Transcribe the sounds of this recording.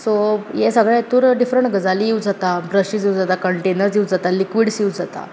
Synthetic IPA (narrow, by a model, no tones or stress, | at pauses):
sojesəɡɭat̪uːɾɖifɾəɳʈɡəd͡zalijiwd͡zat̪abɾəɕisiud͡zat̪akəɳʈenəɾsiwd͡zat̪alikʋiɽsiwd͡zat̪a̰